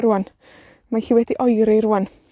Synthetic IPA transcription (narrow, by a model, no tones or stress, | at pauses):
ɾuan | maɬiːwɛdiʔɔjɾejɾuan